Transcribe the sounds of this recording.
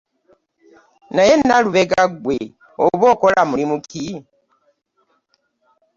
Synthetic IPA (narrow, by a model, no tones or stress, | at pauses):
najɛnaluβɛɡaɡwe | oβɔkolamuimukʰi